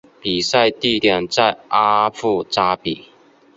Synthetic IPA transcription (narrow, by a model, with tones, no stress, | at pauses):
pi˨˩sa˥˧ɪt̪i˥˧˨t̪jɑ˨˩ŋt͡sa˥˨ɪʔa˦˥fu˥˧t͡sa˥pi˨˩˦